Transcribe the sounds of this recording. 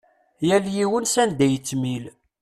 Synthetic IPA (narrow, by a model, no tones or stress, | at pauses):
jæljiwənsænd̪æjət͡sːmil